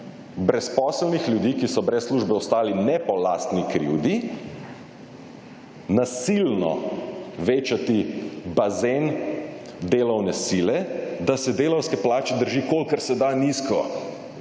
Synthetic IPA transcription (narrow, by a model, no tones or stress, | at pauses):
bɾɛspɔːslnixljud̪iːkisɔbɾɛsːluːʒbɛɔst̪aːlinɛpɔlaːst̪nikɾḭwd̪i | nasilnɔ̰ʋeːt͡ʃat̪ibazen | d̪eːlɔwnɛsilɛd̪asɛd̪eːlɔwskɛplaːt͡ʃɛd̪əɾʒiːkolkaɾsɛd̪aniskɔ